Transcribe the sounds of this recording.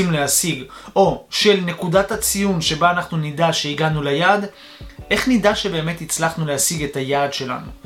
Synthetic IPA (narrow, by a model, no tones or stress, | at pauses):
imleasiɡo̞ʃelne̞kudathat͡sijunʃe̞baːnaχnunidaʃe̞iɡanulajaːd | ʔe̞χnidaʃe̞be̞ːme̞t̪it͡slaχnuleɦasiɡe̞tajaːdʃe̞la̰nṵ